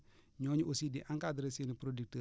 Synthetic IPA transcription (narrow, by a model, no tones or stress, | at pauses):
ɲoɲuʔosidiʔãŋkadəɾəsenipɾodik̚tə